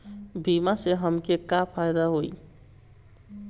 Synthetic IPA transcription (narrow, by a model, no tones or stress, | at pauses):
bimaseɦəmkekapʰajd̪aɦoj